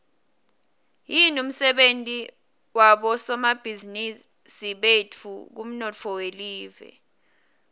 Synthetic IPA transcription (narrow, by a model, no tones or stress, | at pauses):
jinum̩sɛɓentʼi | waɓɔsɔmab̥ʱizini | siɓetʰuk̬um̩nɔt͡fʰɔweliːvɛ̰